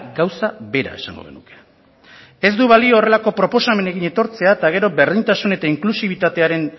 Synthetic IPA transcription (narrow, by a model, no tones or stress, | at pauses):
ɡawsabe̞ɾa̰e̞sa̰ŋɡo̞̰ɣe̞̰nuke̥ | e̞zd̪uβalio̞ːre̞lako̞pɾo̞po̞same̞ne̞ɣiɲe̞t̪o̞ɾt͡se̞at̪aɣ̞e̞ɾo̞be̞ɾð̞int̪asune̞t̪aiŋklusiβ̞it̪at̪e̞aɾe̞n